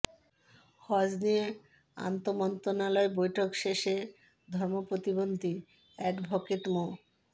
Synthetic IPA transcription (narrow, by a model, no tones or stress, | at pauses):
hɔd͡ʑnie | a̰nt̪omɔnt̪onalɔebojʈʰokʃeʃe | d̪ʱɔɾmopɾot̪ibond̪ʱi | ɛʈbʱɔket̪mo